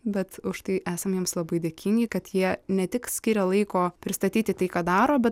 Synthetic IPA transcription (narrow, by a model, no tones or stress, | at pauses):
bʲɛt̪ʊʃt̪ɐɪʔæːsɐmjiɛmslˠɐbɐɪd̪ʲeːkʲɪŋʲɡʲɪkɐt̪jiɛnʲɛt̪ʲɪksʲkʲɪɾʲɛlˠɐɪkoːpʲɾʲɪst̪ɐt̪ʲiːt̪ʲɪt̪ɐɪkɑːd̪ɑːɾoːbʲɛt̪